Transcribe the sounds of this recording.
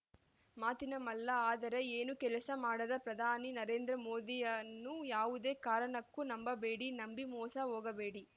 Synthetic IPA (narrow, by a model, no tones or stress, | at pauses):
maːt̪inɐmɐlːɐaːd̪ɐɾe̞eːnukɛlɐsɐmaːɽɐd̪ɐpɾɐd̪ʱaːninɐɾe̞ːnd̪ɾɐmoːd̪ijɐnːujaːʋud̪e̞ːkaːɾɐɳɐkːunɐmbɐbe̞ːɽinɐmbimɔːsɐɦoːɡɐbe̞ːɽi